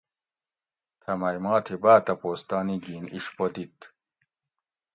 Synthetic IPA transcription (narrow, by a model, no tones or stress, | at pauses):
t̪ʰɐmɐjmɑːt̪ʰibaːt̪ɐpoːst̪ɑːniɡiːnḭɕpod̪it̪